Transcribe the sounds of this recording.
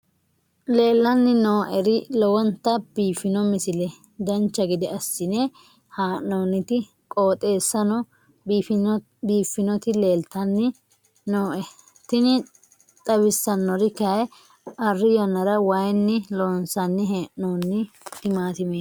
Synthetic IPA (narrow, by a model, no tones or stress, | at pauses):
le̞ːlːɐnːɪnoːʔɛɾɪlɔwɔnt̪ɐb̥iːfɪnɔmɪsɪlɛ | d̪ɐnt͡ʃːɐɡɪd̪ɪɐsːɪne | haːoːnɪt̪ɪ | kʼoːt̪ʼe̞ːsːɐnɔ | biːfːɪnɔt̪ɪle̞ːlt̪ɐnːɪ | noːʔɛ | t̪ɪnɪ | t̪ʼɐbɪsːɐnːɔɾɪkɐj | ɐrːɪjɐnːɐɾɐwɐjnːɪloːnsɐnːɪɦeːʔoːnːɪ | t̪ɪmaːt̪ɪmeː